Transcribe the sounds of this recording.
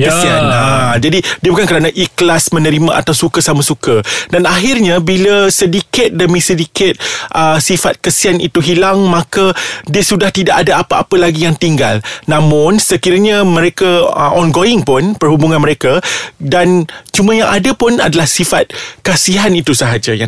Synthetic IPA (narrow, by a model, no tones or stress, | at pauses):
kəsianad͡ʒadidiəbukankəɾanaʔiklasmə̃nə̃ɾimãʔa̰t̪awsukəsamasukadanaɦɪrɲabiləsədikɪt̪̚dəmĩsədikɪt̪̚ʔəsifat̪̚kasianḭt̪uɦilaŋmãkadiəsudaht̪idaʔadaapaʔa̰pəlaɡijaŋt̪iŋɡa̰lnãmʊ̃nsəkiɾaɲamə̃ɾekaəʔɔnɡoɪŋpʊnpərɦubuŋãnməɾekadant͡ʃumãjaŋʔadapʊna̰dalahsifat̪̚kasiɦanit̪usəɦad͡ʒaja